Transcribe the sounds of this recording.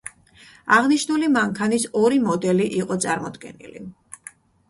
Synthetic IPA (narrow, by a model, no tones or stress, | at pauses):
aʁniʃnulimaŋkʰanisɔɾimɔd̪ɛliʔiqʼɔt̪sʼaɾmɔd̪ɡɛ̰nḭli